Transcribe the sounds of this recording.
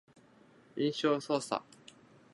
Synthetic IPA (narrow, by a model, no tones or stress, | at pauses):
ĩnɕososa̰